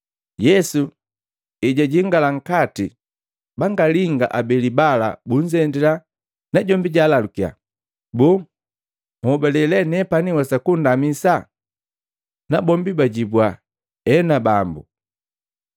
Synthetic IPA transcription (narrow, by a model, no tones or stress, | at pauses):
jɛsu | ɛɟaɟiŋɡalaŋ̩kati | baŋɡaliŋɡa̰ʔabɛlibala̰buɲd͡ʒɛndɛla | naɟɔmbiɟaːlalukia̰ | buː | mhɔbɛlɛlɛnɛpaniwasakundamisa | nabɔmbibaɟibwa | ɛnabambṵ